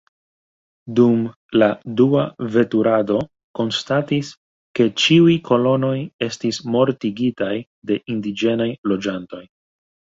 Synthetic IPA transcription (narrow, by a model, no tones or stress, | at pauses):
dum | laduave̞tuɾado̞ | ko̞nstatis | ke̞t͡ʃiujkʰo̞lo̞no̞je̞stismo̞ɾtiɡitaj | de̞ʔindid͡ʒe̞najlo̞d͡ʒanto̞j